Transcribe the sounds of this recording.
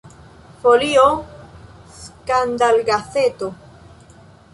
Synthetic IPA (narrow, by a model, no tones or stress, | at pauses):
folio | skand̪alɡaθet̪o